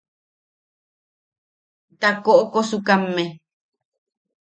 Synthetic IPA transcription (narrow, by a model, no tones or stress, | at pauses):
t̪akoʔokosukamːe